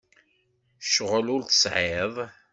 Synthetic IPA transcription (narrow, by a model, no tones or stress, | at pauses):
ʃəʁəlʊɾθə̥sʕeðˤ